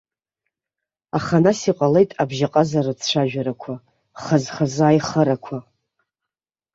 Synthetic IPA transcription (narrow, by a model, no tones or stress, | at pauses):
aχanasiqʼale̞jtʼabʒaqʼazarɨt͡sʰʂʷʰaʒᶣaɾakʷʰa | χazχazɨaːjχəɾakʷʰa